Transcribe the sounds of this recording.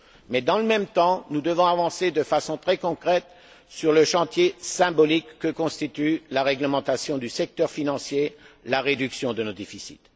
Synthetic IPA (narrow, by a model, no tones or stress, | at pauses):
mɛd̪ɑ̃ləmɛmt̪ɑ̃nud̪əvɔ̃avɑ̃sed̪əfasɔ̃t̪χɛkɔ̃kχɛt̪ | syʁləʃɑ̃t̪jesɛ̃bɔlikːəkɔ̃st̪it̪ylaʁɛɡləmɑ̃t̪asjɔ̃d̪ysɛk̚t̪œʁfinɑ̃sjelaʁed̪yksjɔ̃d̪ənod̪efisḭt̪